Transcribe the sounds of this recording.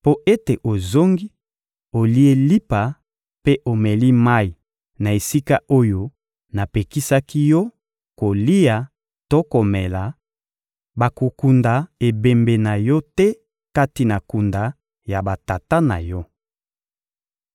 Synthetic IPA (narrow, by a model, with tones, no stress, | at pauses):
po˦ʔe˦te˨ʔo˨zo˦ŋɡi˦ | o˨li˦e˦li˦pa˨ | pe˦ʔo˨me˨li˦ma˦i˨ | na˨e˨si˦ka˦ʔo˦jo˦ | na˨pe˨ki˦sa˦ki˦jɔ˦ | ko˨li˦ja˨ | to˦ko˨mɛ˨la˨ | ba˨ko˨ku˨nda˨e˨be˨mbe˨na˨jɔ˦tɛ˦ | ka˦ti˨na˨ku˨nda˨ | ja˨ba˨ta˨ta˦na̰˨jɔ˦